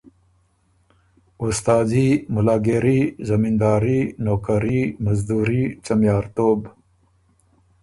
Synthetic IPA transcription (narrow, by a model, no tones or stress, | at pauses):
ʊst̪ɑːzimʊlɑːɡeɾizɐmind̪ɑːɾinokaɾimazd̪uɾit͡ʃɐmjɑːɾt̪oːb